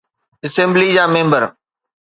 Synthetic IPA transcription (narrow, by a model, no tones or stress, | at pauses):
əsẽːmblid͡ʑaːmẽːmbəɾ